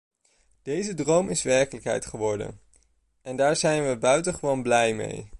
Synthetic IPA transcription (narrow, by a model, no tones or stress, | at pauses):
d̥ejzədrowmɪsʋɛɹkələkɦɛ̰jtχəʋɔɹdə̰n | ɛndaːɹzɛjnʋəbœɥtəχəʋownblɛjmḛj